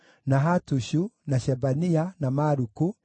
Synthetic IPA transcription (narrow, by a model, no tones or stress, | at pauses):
naɦatuɕunaɕɛbanianamaɾuku